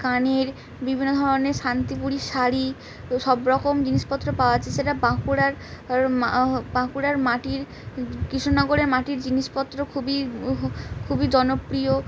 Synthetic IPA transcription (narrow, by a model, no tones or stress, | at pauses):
kaneɾ | bibʱinːod̪ʱɔɾoneɾʃant̪ipuɽiʃaɾi | ʃɔbɾɔkomd͡ʑiniʃpɔt̪ːɾopaoat͡ɕʰeseʈabãkuɽaɾ | bãkuɾaɾmaʈiɾ | kɾiʃonɔɡoɾeɾmaʈiɾd͡ʑiniʃpɔt̪ːɾokʰubi | kʰubid͡ʑɔnopɾijo